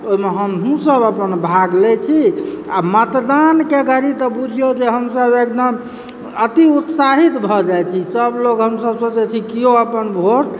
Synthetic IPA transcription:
oɦimeɦəmũsəbəpənbʱaɡlet͡ʃʰiamət̪d̪ankeɡʱəɾit̪ɔbud͡ʒʱjod͡ʒeɦəmsəbek̚d̪əm | ət̪iut̪saɦit̪bʱɔd͡ʒajt͡ʃʰisəbloɡɦəmsəbsot͡ʃɛt͡ʃʰikioəpənbʱoʈ

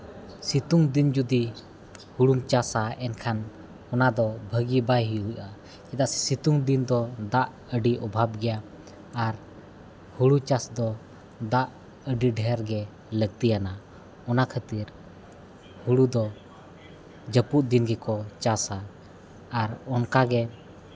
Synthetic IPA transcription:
sit̪uŋd̪ind͡ʒud̪i | huɽumt͡ʃasaɛnkʰan | ɔnad̪ɔbʱəɡibajɦiuʔʔa | kɛd̪asɛ̥sit̪uŋd̪ind̪ɔd̪aʔ | əɖiʔɔbʱab̚ɡɛjaː | ɾ | huɽut͡ʃasd̪ɔ | d̪aʔ | əɖiɖʱɛɾɡɛ | ləɡ̚t̪ijana | ɔnakʰət̪iɾ | huɽud̪ɔ | d͡ʒəpuʔ̚d̪inɡɛkɔt͡ʃasaː | ɾɔnkaɡɛ

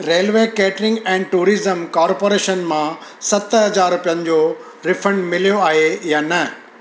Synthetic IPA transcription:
ɾeːlʋeːkɛːʈɾɪ̃ŋɡɛ̃ːɖʈuːɾiːzəmkaːɾpoːɾeːʃənmãsɐt̪ɦɐd͡ʑaːɾʊpijənɪ̆d͡ʑoː | ɾɪfə̃ɳɖmɪlijoaːɦejaːnɐ

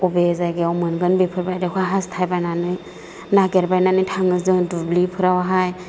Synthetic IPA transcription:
ubezajɡeawmɯnɡɯnbepʰɯɾbajdakʰaɦastʰajbajnanɯj | naɡeɾbajnanɯjtʰaŋɯzɯŋdublipʰɯɾawaɦaj

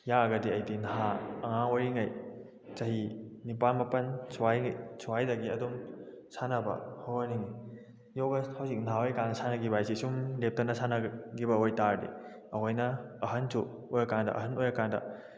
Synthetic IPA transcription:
jaɐɡɐdiɐjdinɐɦaɐŋaŋwaɾiŋɐj | t͡ʃɐɦinipalmɐpɐnsuajsuwajdɐɡiɐ̰dum | sanɐbɐ̰hawɐnini | jowɡɐhawsik̚nɦawojkaŋsanɐɡibajsisumlep̚tɐnɐsanɐɡibɐojtaɾdḭ | ɐɦojnɐɐɦɐnsu | ojɐkandɐ̰ʔɐ̰ɦɐnojɐkandɐ̰

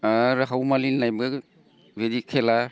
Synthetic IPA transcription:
aɾaɦawmalinnajbɯ | bedikʰela

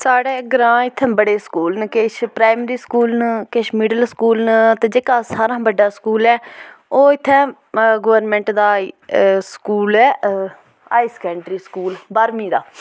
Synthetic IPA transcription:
saːɽeːɡəɾãːɪt̪ʰːɛ̃ːbəɽeːskuːlnəkeʃpɾaːmɾiːskuːlnkeːʃmɪɖəlskuːlnət̪ẽːd͡ʒeːkaːsaːɾãːbəɖːaːskuːlɛːoːɪt̪ʰːɛ̃ː | ɡəʋəɾnmɛ̃ːɳʈd̪aː | skuːlɛː | aːiskɛːɳʈɾiːskuːlbaːɾmĩːd̪aː

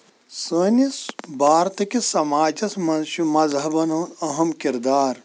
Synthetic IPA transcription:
səːnisbʱaːɾt̪ɐkisɐmaːd͡ʒɐsmɐnʃjumɐzɦɐbɐnɐɦɐmkiɾd̪aːɾ

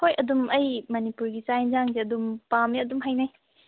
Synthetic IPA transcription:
hojʔɐdumɐjmɐnipuɾɡisajnzaŋzeɐdumpameɐdumɦajnaj

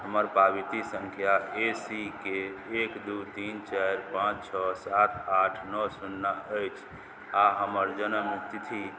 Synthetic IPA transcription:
ɦəməɾpabit̪isə̃ŋkʰjaesikeːkd̪ut̪int͡ʃajɾpãt͡ʃt͡ʃʰɔsat̪ʰaʈʰnɔsunːaəjt͡ʃʰ | aɦəməɾd͡ʒənəmit̪t̪ʰi

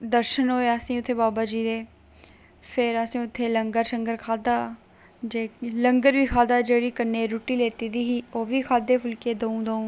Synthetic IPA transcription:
d̪əɾʃənɦoːeasĩːʊt̪ʰːeːbaːbaːd͡ʒiːd̪eː | fʰɪɾəsĩːʊt̪ʰːeːləŋɡəɾsəŋɡəɾkʰaːd̪aː | d͡ʒeːləŋɡəɾʋiːkʰaːd̪aːd͡ʒeːɽiːkənːeːɾuːʈiːleːt̪iːd̪iːɦiːoːʋiːkʰaːd̪eːpʰʊlkeːd̪oːũːd̪õːũː

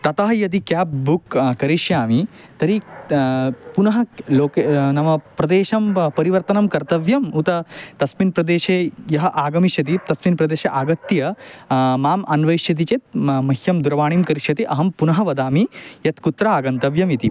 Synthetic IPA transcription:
t̪ɐt̪ɐɦɐjɐt̪̬ikjaːp̚bukkɐɾiʃjaːmi | t̪ɐɾi | punɐɦɐloːkenɐmɐpɾɐd̪eːʃɐmpɐɾiʋɐɾt̪ɐnɐmkɐɾt̪ɐʋjɐmut̪ɐt̪ɐsminpɾɐd̪eːʃeːjɐɦɐʔaːɡɐmiʃjɐt̪̬it̪ɐsminpɾɐd̪eːʃeʔaːɡɐt̪ːjɐ | maːmɐnʋɐjʃjɐt̪̬it͡ʃeːt̪mɐhjɐmd̪uɾɐʋaːɳimkɐɾiʃjɐt̪iʔɐɦɐmpunɐɦɐʋɐd̪aːmijɐt̪kut̪ɾɐaːɡɐnt̪ɐʋjɐmjit̪i

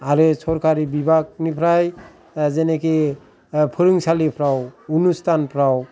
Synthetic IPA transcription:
aɾɯsɔɾkaɾibibʱak̚nipʰɾaj | zeneki | pʰɯɾiŋsalipʰɾawunustʰanpʰɾaw

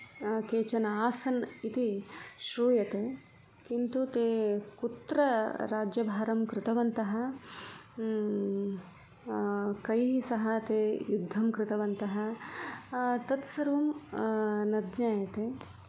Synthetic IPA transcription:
keːt͡ʃɐnaːsɐnit̪iʃɾuːjɐt̪eː | kint̪ut̪eːkut̪ɾɐɾaːd͡ʒjɐbʱaːɾɐmkɾɪt̪ɐʋɐnt̪ɐɦɐ̆ | kɐjɦisɐɦɐt̪eːjud̪ʱːɐmkɾɪt̪ɐʋɐnt̪ɐɦɐ | t̪ɐt̪sɐɾum | nɐd̪ɲaːjɐt̪eː

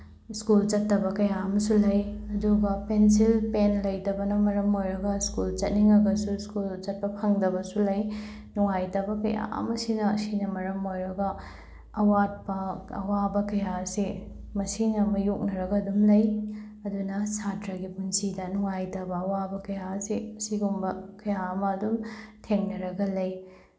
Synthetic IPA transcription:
skult͡ʃɐtːɐbɐkɐjaɐmɐsulɐjɐduɡɐpensilpenlɐjdɐbɐnɐmɐɾɐmojɾɐɡɐskult͡ʃɐt̚niŋɐɡɐsuskult͡ʃɐt̚pɐpʰɐŋdɐbɐsulɐj | nuŋajtɐbɐkɐ̰ja̰ɐ̰mɐsinɐsinɐmɐɾɐmojɾɐɡɐː | wat̚pɐɐ̰wabɐkɐjase | mɐsinɐmɐjok̚nɐɾɐɡɐːdumlɐj | ɐdunɐsatɾɐɡipunsidɐnuŋajtɐbɐːwabɐkɐjasesiɡumbɐkɐjaɐmɐːdumtʰeŋnɐɾɐɡɐlɐj

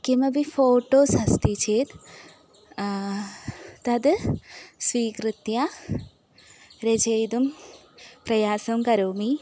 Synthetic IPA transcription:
kimɐbifoːʈoːsɐst̪it͡ʃeːt̪ | t̪ɐd̪ | sʋiːkɾɨt̪ja | ɾed͡ʒɐjd̪um | pɾɐjaːsɐmkɐɾoːmi

